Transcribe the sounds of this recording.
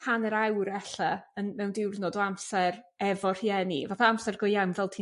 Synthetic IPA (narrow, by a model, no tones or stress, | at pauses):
pʰanəɾawɾɛɬaənmɛwndɪwrnɔdɔamsɛr | ɛvɔr̥jɛnivaːθaamsɛrɡʊjawmvɛlˠtʰi